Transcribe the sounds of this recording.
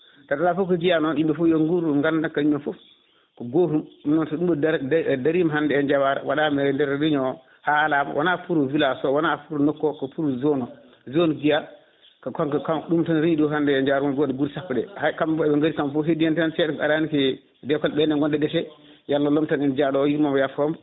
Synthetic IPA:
taɗalafuk̬ɔɡijanɔnɗimɓɛfujoŋɡuɾuŋɡandankaimːɛnfɔf | kɔɡoɾummnɔntɔɗumɗɔdaɾimɦandɛɛnd͡ʒawaɾɛ̰waɗamɛndɛɾɾiɲɔ | halama̰wanapuɾuvilasɔwanapuɾunɔkːɔkɔpuɾuzɔnɔ | zonɔɡija | kɔkɔkkaɗumtanɾiɲiɗɔɦandɛɛɲd͡ʒaɾumaɡɔdɛɡuɾsapːdɛ̰hakambɔɛɓɛŋɡaɾikamfuɦedijantnsɛɗɛka̰ɾanikɛ | dɛkɔlɓɛnɛŋɡɔndɛdɛsɛ | jalːalɔmtanɛnd͡ʒaɗɔjiɾmabɔjafɔwam

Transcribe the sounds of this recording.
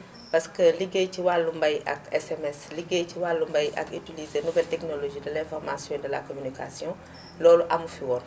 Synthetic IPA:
pɐskəliɡejciwalːumbɐjʔɐ̰kɛsɛmɛsliɡejciwalːumbɐjɐ̰kitilizenuɡɐltɛknoloʒiːdɐlɛ̃fɔrma̰sjɔ̃dɐla̰komynika̰sjɔ̃ | lɔːluʔɐmufiwɔːn

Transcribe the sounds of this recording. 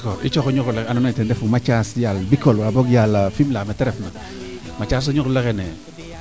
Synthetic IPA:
kɔɾit͡ʃɔxɔɲuklɛanɔnetɛndɛfumat͡ʃasjalbikolwaboɡjalfimlametɛɾɛfna | mat͡ʃas̬ɔɲuklɛkɛnɛ

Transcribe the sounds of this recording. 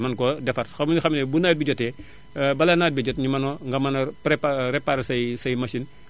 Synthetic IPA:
mɐnkɔdɛfɐrxɐmnixɐmnɛbunabiɟɔtɛ | bɐlɐnaːbɛɟɔtɲimɐnɔŋɡɐmɐnɐpɾepaɾepaɾsɐjsɐjmɐsin

